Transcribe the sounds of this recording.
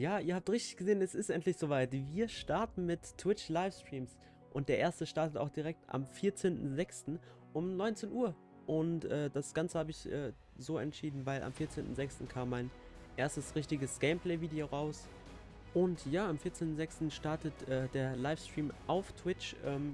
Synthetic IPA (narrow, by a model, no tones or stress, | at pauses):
jaːʔiːɐhaːp̚tʁɪçtɪ̥çɡ̥əzeːnɛsɪstʔɛntlɪçz̥oːvaɪtviːɐʃtaɐtn̩mɪtːʰw̥ɪt͡ʃlaɪfstʁ̥iːms | ʔʊntd̥eːɐʔeːɐstəʃtaɐtəta̰ʊxd̥iʁɛk̚tʔa̰mfiːɐt͡seːntn̩zɛkstn̩ | ʔʊmnɔʏnt͡seːnʔuːɐ | ʔʊntʔɛːd̥asɡ̥ant͡səhaːbəɪçʔɛː | zoːɛntʃiːdn̩vaɪlʔa̰mfiːɐt͡seːntn̩zɛkstn̩kʰaːmːaɪn | ʔeːɐstəsʁɪçtɪɡəsɡ̥ɛɪmpʰlɛɪviːdeoːʁaʊs | ʔʊntjaːamfiːɐt͡seːntn̩zɛkstn̩ʃtaɐtətʔɛːdeːɐlaɪfstʁ̥iːmʔaʊftʰv̥ɪt͡ʃʔɛːm